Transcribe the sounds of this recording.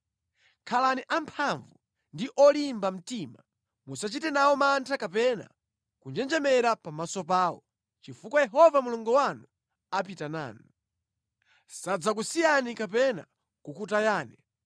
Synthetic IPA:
kʰalaniʔampʰaɱvu | ndiʔɔlimbam̩tima | musat͡ʃitɛnawɔmantʰakapɛna̰ | kund͡ʒɛnd͡ʒɛmɛɾapamasɔpaːɔ̰ | t͡ʃifukwajɛɦɔvamuluŋɡɔwanu | apitana̰ːnu | sad͡zak̬usijanikapɛna̰ | kukutajaːnɛ

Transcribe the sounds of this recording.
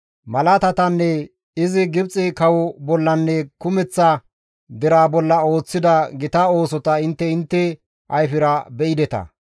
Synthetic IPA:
mɐlɐt̪ɐt̪ɐnːɛ | ɪzɪɡɪbt͡sʼːɪkɐwɔbɔlːɐnːɛkʊmɛt͡sːɐ | d̪ɛɾaːbɔlːɐo̞ːt͡sːɪd̪ɐɡɪt̪ao̞ːsɔt̪ɐɪnt̪ːɛɪnt̪ːɛ | ʔɐjfɪɾɐbɛʔɪd̪ɛt̪ɐ̰

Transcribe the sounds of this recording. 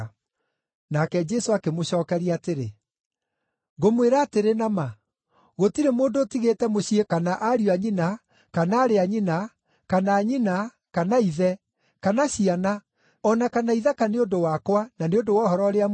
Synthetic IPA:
nakɛd͡ʒɛsoakemoɕɔːkɛɾiateɾḛ | ɣomweɾaːteɾenama | ɣotiɾemoːndoːtiɣeːtɛmoɕiekanaʔaɾioaɲina | kanaːɾeaɲina | kanaːɲina | kanaiðɛ | kanaɕiana | ɔnakanaiðakaneodowakwananeodowɔɦɔɾɔɾea

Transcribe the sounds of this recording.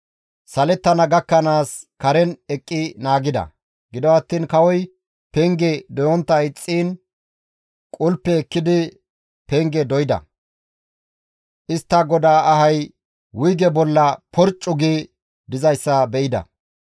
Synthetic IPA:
sɐlɛt̪ːɐnɐɡɐkːɐnaːskɐɾɛnɛkʼːɪnaːɡɪd̪ɐ̰ | ɡɪd̪ɔwɐt̪ːiːnkɐwɔj | pɛŋɡɛd̪ɔjɔnt̪ːɐɪt͡sʼːiːn | kʼʊlpːɛːkːɪd̪ɪ | pɛŋɡɛd̪ɔjɪd̪ɐ̰ | ʔɪst̪ːɐɡɔd̪aːʔɐhɐj | wʊjɡɛbɔlːɐpʰɔɾt͡ʃʼːʊɡi | d̪ɪzɐjsːɐbɛʔɪd̪ɐ̰

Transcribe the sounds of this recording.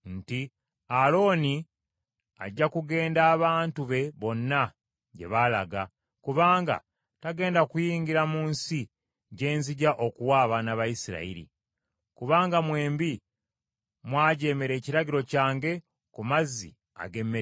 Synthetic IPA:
nti | alo̞ːni | a̰ɟːakuɡe̞ːndaːβaːntuβe̞βo̞nːa | ɟe̞̰βalaɡa | kuβaːŋɡa̰ | taɡe̞ːndakujiːŋɡiɾamuːnsi | ɟe̞ːnziɟaʔo̞kuwaːβanaβajisiɾa̰ḭɾḭ | kuβaːŋɡamwe̞ːmbi | mwaːɟe̞ːme̞ɾe̞ːciɾaɡiɾo̞caːŋɡe̞ | kumazːḭ | a̰ɡe̞mːe

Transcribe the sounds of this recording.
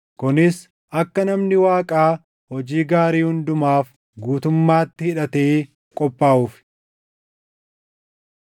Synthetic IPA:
kʊnɪs | ʔɐkːɐnɐmnɪwaːkʼaː | hɔd͡ʒiːɡaːɾiːhʊnd̪ʊmaːf | ɡuːt̪ʊmːaːt̪ːɪhɪᶑɐt̪eː | kʼɔpʼːaːʔuːf

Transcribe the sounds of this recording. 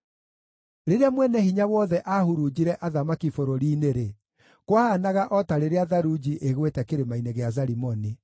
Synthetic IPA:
ɾeɾeamwɛnɛhiɲawɔðɛʔahuɾud͡ʑiɾɛʔaðamakifoɾoɾiːneɾe | kwahanaɣaʔɔtaɾeɾeaðaɾud͡ʑiʔeɣwetɛkeɾemaineɣeazaɾimɔni

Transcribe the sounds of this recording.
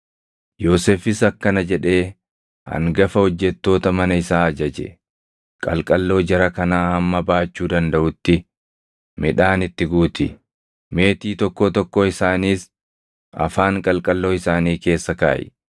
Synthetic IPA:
jo̞ːseːfɪsɐkːɐnɐd͡ʒɛᶑe̞ː | hɐ̰ŋɡɐfɐhɔd͡ʒːɛt̪ːo̞ːt̪ɐmɐnɐɪsaːɐd͡ʒɐd͡ʒɛ̰ | kʼɐlkʼɐlːo̞ːd͡ʒɛɾɐkɐnaːhɐmːɐbaːt͡ʃːuːd̪ɐnd̪ɐʔʊt̪ːɪ | mɪᶑaːnɪt̪ːɪɡuːt̪ɪ | me̞ːt̪iːt̪ɔkːoːt̪ɔkːoɪsaːniːs | ɐ̰faːŋkʼɐlkʼɐlːo̞ːɪsaːniːke̞ːsːɐka̰ːʔɛ̰

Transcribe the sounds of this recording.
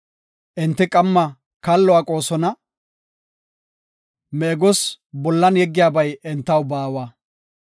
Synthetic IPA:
ʔɪnt̪ːɪkʼɐmːɐ | kalːɔwaːkʼo̞ːsɔnɐ | mɛːɡɔs | bɔlːɐnjɛɡːɪjaːbɐjɛnt̪ːɐwbaːwaː

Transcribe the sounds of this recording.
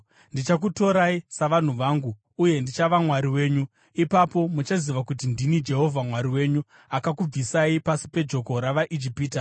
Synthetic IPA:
ndit͡ʃakuto̞ɾaisaʋan̤uʋaːŋɡuː | je̞ndit͡ʃaʋamwaɾiwe̞ːɲu | ipapo̞mut͡ʃaziʋakut̬indinid͡ʒe̞ɦo̞vʱamwaɾiwe̞ɲu | akakub͡visaipasi̥pe̞d͡ʒo̞ko̞ɾaʋaʔid͡ʒipiːta

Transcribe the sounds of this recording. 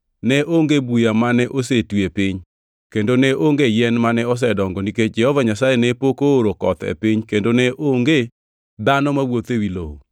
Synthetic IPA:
nɛʔoŋɡebujamanɛʔosetwepɪɲ | kendonɛʔoŋɡejɛnmanɛɔs̬ɛdɔŋɡɔniked͡ʒɛhɔvaɲasajenɛpokooɾokɔ̰t̪ḛpɪɲkendonɛʔoŋɡe | d̪anɔmawot̪ewilo̰

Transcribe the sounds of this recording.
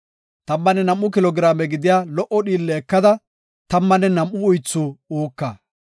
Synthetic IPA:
t̪ɐmːɐnɛnɐmʔːʊkɪlɔɡɪɾaːmɛɡɪd̪ɪjaːlɔʔɔɗiːlːɛːkːɐd̪ɐ | t̪ɐmːɐnɛnɐmʔːʊʊjt͡sːuuːkːɐ

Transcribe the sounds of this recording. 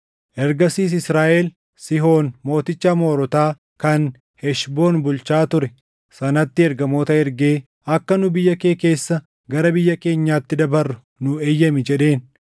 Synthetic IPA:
ʔɛɾɡɐsiːs̬ɪsɾaːʔel | sɪɦo̞ːnmo̞ːt̪ɪt͡ʃːamo̞ːɾɔt̪aː | kɐn | hɛʃbo̞ːnbʊlt͡ʃaːt̪ʊɾɛ | sɐnɐt̪ːɪɛɾɡɐmo̞ːt̪ɐɛɾɡe̞ː | ɐkːɐnʊbɪjːɐke̞ːke̞ːsːɐ | ɡɐɾɐbɪjːɐke̞ːɲːaːt̪ːɪd̪ɐbɐrːʊ | nʊeːjːɐmɪd͡ʒɛᶑe̞ːn

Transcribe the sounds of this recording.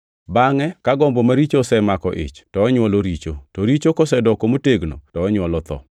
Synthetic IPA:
baŋɛkaɡɔmbomaɾit͡ʃosɛmakɔʔɪ̰t͡ʃtɔːɲwɔloɾit͡ʃotɔɾit͡ʃokɔsɛdɔkomoteɡno̰tɔːɲwɔlɔt̪ɔ̰

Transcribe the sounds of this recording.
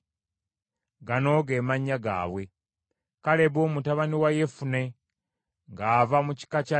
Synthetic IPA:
ɡano̞ɡe̞ːmaɲːaɡa̰ːβwe̞ | kale̞βoːmutaβaniwaje̞fune̞ | ŋɡaːvamuci̥kaca

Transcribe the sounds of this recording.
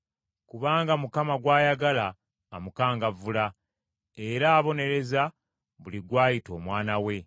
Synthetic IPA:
kuβaːŋɡamukamaɡwaːjaɡalaː | mukaːŋɡavula | e̞ɾaːβo̞ne̞ɾe̞za | βuliɡwaːjito̞ːmwaːnawe̞

